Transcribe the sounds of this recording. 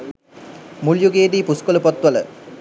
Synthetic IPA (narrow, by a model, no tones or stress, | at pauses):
muljuɡeːd̪iːpuskoləpot̪ʋələ̰